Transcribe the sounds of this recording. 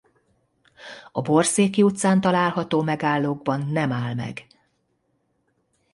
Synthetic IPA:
ɒbo̞rseːkːiut̪saːnt̪ɒlaːlɦɒt̪oːmɛɡaːlːoːɡ̚bɒnːɛmaːlmɛ̰ɡ

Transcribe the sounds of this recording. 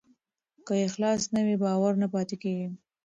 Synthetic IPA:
kəjexlɑsnawibɑwaɾnapɑt̪ekeɡi

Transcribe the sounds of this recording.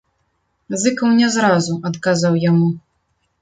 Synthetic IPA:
zɨkɐwnʲɛzɾazuʔɐt̪kazawjamu

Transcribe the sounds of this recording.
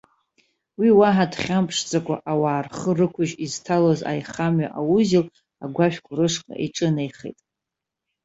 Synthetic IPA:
wiwaɦadχʲampʰʂt͡sʼakʷʼa̰ʔawaːrχərɨkʷʰʊʒiztʰaloza̰jχamɥaʔawuzil | aɡʷaʃᶣkʷʰʼʊrɨʂqʼa̰ʔiʈ͡ʂʼɨnejχḛjtʼ

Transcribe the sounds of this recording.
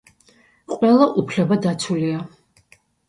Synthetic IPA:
qʼwɛlˠaʔupʰlɛbad̪at̪sʰulia

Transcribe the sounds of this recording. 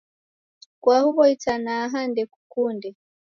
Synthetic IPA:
kwahuβɔitanaːɦandɛku̥kundɛ

